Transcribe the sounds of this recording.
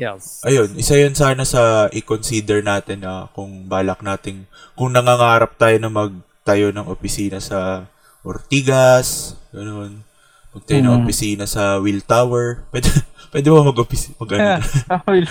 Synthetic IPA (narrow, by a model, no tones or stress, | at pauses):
ʔɐjo̞nʔɪsajʊnsaːnɐsɐʔɪkonsiːd̪ɛɹnaːt̪ɪnɐkʊŋbaːlɐk̚naːt̪ɪn | kʊŋnɐŋaŋaːɾɐp̚t̪aːjo̞nɐmɐɡ̚ | t̪ɐjo̞nɐŋʔopɪsiːnɐsɐ | ʔo̰ɾt̪iːɡɐsɡ̥ɐno̞n | mɐɡ̚t̪ɐjonɐŋʔopɪsiːnɐsɐwɪlt̪awɛɹpwɛd̪pwɛːd̪ɪmomɐɡʔopɪsmɐɡʔɐn